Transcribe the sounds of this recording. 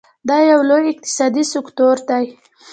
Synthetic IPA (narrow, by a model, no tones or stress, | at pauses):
d̪ɑjawlojɪq̚t̪ɪ̥sɑd̪isɪkt̪oɾd̪aj